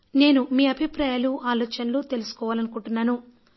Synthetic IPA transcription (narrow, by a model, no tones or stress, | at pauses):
ne̞ːnumiːɐbʱipɾaːjaːluʔaːlɔːt͡ʃɐnlot̪e̞lusu̥kɔːʋaːlɐnukuɳʈunːaːnu